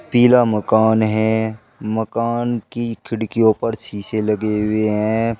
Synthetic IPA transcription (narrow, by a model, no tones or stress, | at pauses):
piːlamɐkaːnɦɛ̃ | mɐkaːnkikʰɪɽkeoːpəɾt͡ʃʰiːselɐɡeɦʊeɦɛ̃ː